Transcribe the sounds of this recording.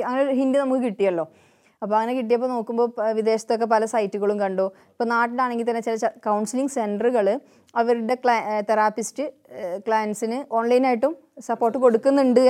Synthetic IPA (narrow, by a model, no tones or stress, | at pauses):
ɐŋːɐneɦindɨnɐmukːɨkiʈːijɐlːo̞ː | ɐpːoːɐŋːɐnekiʈ̬ːijɐp̬ːono̞ːkːumbo̞ːʋid̪e̞ːɕɐt̪ːjok̬ːe̞pɐlɐsɐjtːuɣɐɭumkɐɳɖoː | ipːoːnaːʈːiɽaːɳe̞ŋɡilt̪̬ɐnːet͡ɕilɐkɐwɳsiliŋɡsenɖrɨɣɐɭ | ɐʋɐɾuɽe̞t̪ɐɾaːpistɨ | kɭaːjnsinɨʔo̞ːnlɐjinaːjiʈːum | sɐpːo̞ːrʈːɨko̞ɽukːunːuɳɖɨ